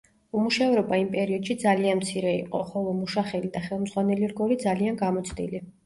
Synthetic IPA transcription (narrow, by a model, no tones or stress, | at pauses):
umuʃavɾɔbaimpʼɛɾiɔd̪̥ʃid̪zalianmt̪sʰiɾɛḭqʼɔχɔlˠɔmuʃaχɛlid̪aχɛlˠmd̪zʁwanɛliɾɡɔlid̪zalianɡamɔt̪sʰd̪ḭli